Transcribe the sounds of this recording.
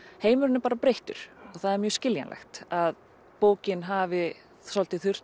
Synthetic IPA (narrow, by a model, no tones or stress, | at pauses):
heːjmʏɾʏnɪpaːɾapɾejht̪ʏ̰ɾ̥ɔɣθaðɛɾmjœːscɪljanlʔɛ̰xt̪að | poːwcɪnɦavɪ | sɔlt̪ɪθʏr̥t̪